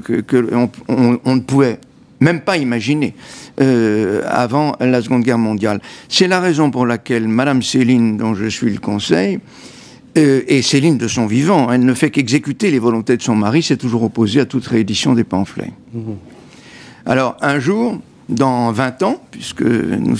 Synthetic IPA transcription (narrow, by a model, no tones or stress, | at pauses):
kkəɔ̃ɔ̃ɔ̃nəpuvɛ | mɛmpaimaʒineøa̰vɑ̃lasəɡɔ̃d̪ɡʲɛʁmɔ̃d̪jalsɛlaʁezɔ̃puʁlakʲɛlmad̪amselind̪ɔ̃ʒəsɥiləkɔ̃sɛj | øeselind̪əsɔ̃vivɑ̃ɛlnəfɛkɛɡzekʲyt̪elevɔlɔ̃t̪ed̪əsɔ̃maʁisɛt̪uʒuʁɔpozeat̪ut̪ʁeed̪isjɔ̃d̪epɑ̃flɛ̰ | a̰lɔʁɛ̃ʒuːʁ | d̪ɑ̃vɛ̃t̪ɑ̃pɥiskə̰nṵ